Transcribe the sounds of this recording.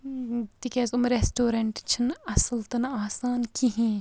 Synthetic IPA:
t̪ikɛːzumɾesʈoːɾɐɳʈt͡ʃʰɨnɐsɨlt̪ɐnaːsaːnkiɦĩː

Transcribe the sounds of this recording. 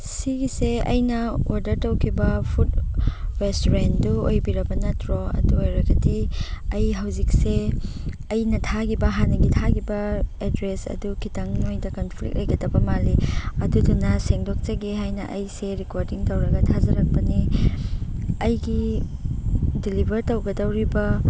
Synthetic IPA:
siɡiseɐ̰jnɐoɾdɐɾtɐwkʰibɐpʰut̚ɾestoɾenduojbiɾɐbɐnɐtɾoɐ̰duojɾɐɡɐdiɐjɦɐwzik̚se | ɐjnɐtʰaɡibɐɦanɐɡitʰaɡibɐedɾesɐ̰dukʰitɐŋnojdɐkɐnpʰlḭk̚t̚lʔɐjɡɐdɐbɐmaliɐdudunɐseŋdok̚t͡ʃɐɡeɦajnɐʔɐjseɾikoɾdiŋtɐwɾɐɡɐtʰazɐɾɐk̚pɐni | ɐjɡi | dilibʱɐɾtɐwɡɐdɐwɾibɐ

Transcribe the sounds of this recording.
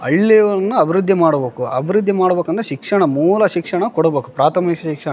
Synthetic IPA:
ɐ̰ɭːiʋɐɾɐnːuɐbʱiɾud̪ʱːimaːɽbeːkuɐ̰bʱiɾud̪ʱːimaːɽbeːkɐnt̪ɐʃikʂɐɳɐmuːlɐʃikʂɐɳɐkoɽɐbeːku̥pɾaːt̪ʰɐmikɐʃikʂɐ

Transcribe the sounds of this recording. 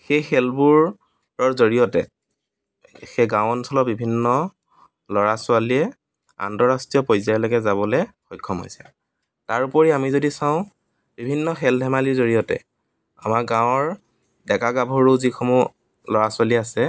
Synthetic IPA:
xejxɛlbuɹ | ɹɔɹzoɹijɔtɛ̰ | xeɡãwɔnsʰɔlɔbibʱinːɔ | lɔɹasʊaliɛ | a̰ntɔɹastɹijɔpɔjzajlɔɡɛzabɔlɛxɔjkʰːɔmɦo̰jsɛ̥ | taɹupɔɹiamizodisãʊ̃ | b̥ibʱinːɔxɛldʱɛmaliɹzoɹijɔtɛ̰ | a̰makɡãʊ̃ɔɹ | dɛkaɡabʱɔɹozikʰɔmɔ | lɔɹasʊaliasɛ

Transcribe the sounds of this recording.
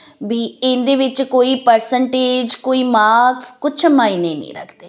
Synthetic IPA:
biːɪ̃nd̪eːʋɪt͡ʃkoːiːpəɾsəɳʈeːd͡ʒkoːiːmaːkskʊt͡ʃʰəmaːinẽːnḭ̃ːɾə̰kʰd̪eː

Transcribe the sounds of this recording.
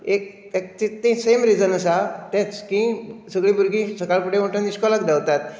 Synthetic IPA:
ek̚ | ek̚t̪it̪ĩsemɾid͡zənəsat̪ẽt͡skĩsəɡɭĩbʱuɾɡĩsəkaɭpuɽeməʈəniskɔlakd̪aʋt̪at̪̚

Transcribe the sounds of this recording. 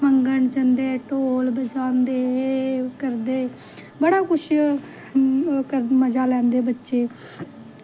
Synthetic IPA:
məŋɡəɳd͡ʒənd̪eːʈoːlbəd͡ʒaːnd̪eːkəɾd̪eː | bəɽaːkʊʃ | kəɾməd͡ʒaːlɛ̃ːnd̪eːbətːʃeː

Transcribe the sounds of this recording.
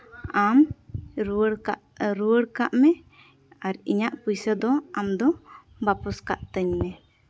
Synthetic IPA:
am | ɽaʔɾuwəɽkaʔmɛ | aɾḭɲaʔpujsəd̪ɔamd̪ɔ | bapɔskaʔt̪əɲmɛ

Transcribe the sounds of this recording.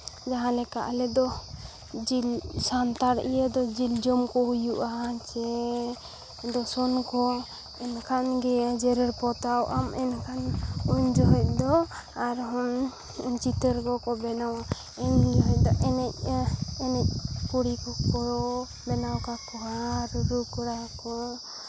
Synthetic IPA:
d͡ʒaɦãlɛka̰ʔlɛd̪ɔ | d͡ʒilsant̪aɾḭjəd̪ɔd͡ʒild͡ʒɔmkɔɦujuʔat͡ʃɛ | d̪ɔsɔnkɔ | ɛnkʰanɡɛad͡ʒɛɾɛɾpɔt̪awʔamɛnkʰanuɲd͡ʒɔɦɔc̚d̪ɔaɾɦɔn | ɲt͡ʃit̪əɾkɔkɔbɛnawa | ɛɲd͡ʒɔɦɔc̚d̪ɔʔɛnɛc̚ɛnɛc̚puɽikɔkɔɾɔ | bɛnawkakɔɦaɾuɾukɔɾakɔ

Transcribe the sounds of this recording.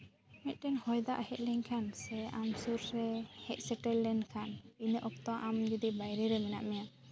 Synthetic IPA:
mɛt̪̚ˀʈɛnhɔjd̪a̰ʔhɛʔ̚lɛŋkʰansɛamsuɾɾɛhɛʔ̚sɛʈɛlːɛnkʰaninəʔɔp̚t̪ɔʔamd͡ʒud̪ibajɾɛɾɛmɛna̰ʔmɛja

